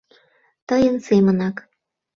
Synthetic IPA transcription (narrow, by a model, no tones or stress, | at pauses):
t̪əjənsemənɑk